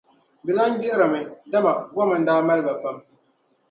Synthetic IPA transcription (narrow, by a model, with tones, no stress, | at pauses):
bɪ˨la˦n˦dɪ˦ʔɪ˦ɾa˨mɨ˨da˦ma˨ɡɔ˦ma˨n̩˦daː˦ma˦lɨ˦ba˨pa˦m